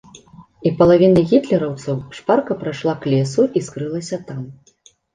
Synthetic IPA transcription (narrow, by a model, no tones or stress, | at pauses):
ipɐlˠavʲinɐɣʲit̪lʲɛɾɐwt̪sɐwʂparkɐpɾajʂlˠaklʲɛsuʔiskɾɨlˠɐsʲɐt̪am